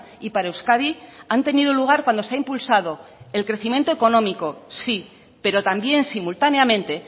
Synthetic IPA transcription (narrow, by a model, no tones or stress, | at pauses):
ipaɾaewskaðiant̪e̞niðuluɣ̞aɾkwand̪oseaimpulsað̞o̞e̞lkɾe̞θimje̞nt̪oeko̞nõ̞miko̞si | pe̞ɾo̞t̪ambje̞nsimult̪aneamẽ̞nt̪e̞